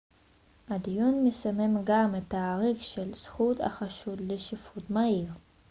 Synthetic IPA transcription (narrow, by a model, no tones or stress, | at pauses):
ʔad̪ijunmesamemɡamet̪ːaːʁikʃelsχut̪a̰χaʃud̪leʃifut̪maiʁ